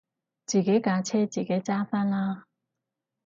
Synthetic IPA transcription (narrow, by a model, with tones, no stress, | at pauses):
t͡ɕi˨˩ke˨˦ka˨˥˦t͡ɕʰɛ˥t͡ɕi˨˩ke˨˧˦t͡ɕa˥fa˥nla˧